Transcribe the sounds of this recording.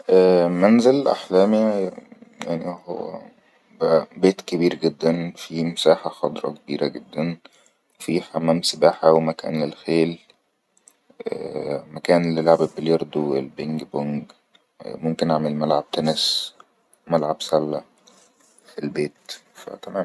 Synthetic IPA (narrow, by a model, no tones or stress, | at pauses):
ʔæːmænzelʔa̰ħlæːmi | ja̰ʕnihowːæ̰ | bæʔbeːt̪kebiːɾɡed̪ːænfimesaːħaxɑd̪ˤɾˤɑ̰kebiːɾʔæɡed̪ːæn | fiħamːæːmsebaːħawemækæ̰ːnlelxeːl | ʔmækæːnlelʕabebeljɑɾˤd̪oḛlbeŋkboŋɡ | momkenʔaʕmelmælʕab̚t̪ænes | mælʕabsælːæ | elbeːt̪fæ̰t̪æmæːm